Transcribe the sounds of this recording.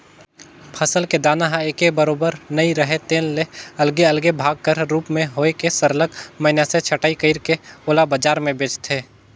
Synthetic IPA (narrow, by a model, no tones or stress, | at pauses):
pʰəsəlked̪aːnaɦãeːkebəɾoːbəɾnəiɾəɦet̪eːnleɐlɡeɐlɡebʱaːɡ̚kəɾɾuːpmẽɦoːekesəɾləkməɦnaset͡ʃʰəʈaːikəɪɾkeoːlabəd͡ʒaːɾmẽbeːt͡ʃt̪ʰɦeː